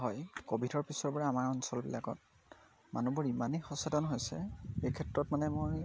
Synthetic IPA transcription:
ɦɔjkobʱitʰɔɹpisɔɹpɔɹaamaɹɔnsɔlbilakɔ̰t̚ | ma̰nubuɹimanexɔsadɔnɦojsɛ̰ejkʰɛtɹɔtmanɛmoj

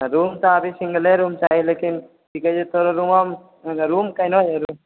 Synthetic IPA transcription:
ɾumt̪ɔːbisiŋɡəleɾumt͡ʃaɦilekin | tʰikad͡ʒet̪oɾɔɾumɔm | ɾumkajnɔjeɾum

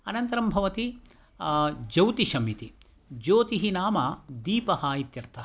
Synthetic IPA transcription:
ɐnɐnt̪ɐɾɐmbʱɐʋɐt̪i | d͡ʒɐwt̪iʃɐmit̪i | d͡ʒoːt̪iɦinaːmɐd̪iːpɐhɐit̪jɐɾt̪ʰɐɦ

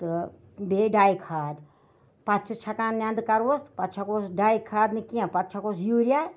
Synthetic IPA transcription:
t̪ɨ | beːɖaːikʰaːd̪ | pɐt̪̚t͡ʃʰɨt͡ʃʰɐkaːnːʲãːnd̪kɐɾʋost̪pɐt̪ːt͡ʃʰɐkoːsɖaːjikʰaːd̪nɨkiãpɐt̪̚t͡ʃʰɐkoːsjuːɾjaː

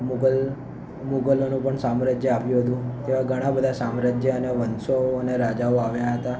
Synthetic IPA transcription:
muɡəl | muɡəlonũpəɳsamɾad͡ʒjəapjũɦət̪ũt̪eʋãɡʱəɽ̃ãbəd̪ʱasamɾad͡ʒjəəneʋənsoəneɾad͡ʒaoaʋjaɦət̪a

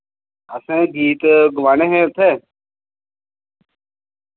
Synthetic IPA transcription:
əsẽːɡʱiːt̪ɡʊʋaːneːɦẽːt̪ʰeː

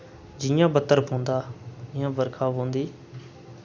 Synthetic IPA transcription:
d͡ʒɪjãːbət̪ːəɾbʰʱõːnd̪aːɪjãːbəɾkʰaːʋõːnd̪iː

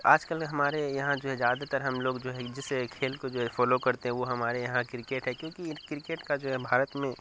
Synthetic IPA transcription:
aːd͡ʒkəlɦɐmaːɾejɐɦãd͡ʒoːɦɛzjaːd̪at̪əɾɦɐmloːɡd͡ʒoːɦɛd͡ʒɪsekʰeːlkod͡ʒoːɦɛfɔːlokɐɾt̪eɦɛ̃ʋoɦɐmaːɾejɐɦãkɾɪkeːʈɦɛkjõːkikɾɪkeːʈkad͡ʒoːɦɛbʱaːɾət̪mẽ

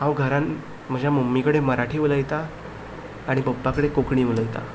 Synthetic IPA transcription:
ãwɡʱəɾan | m̤əd͡ʑʱjamumːikəɽeməɾaʈʰiːʋuləjt̪aː | ɽ̃ibəbːakəɽekokɳiːʋuləjt̪a̰

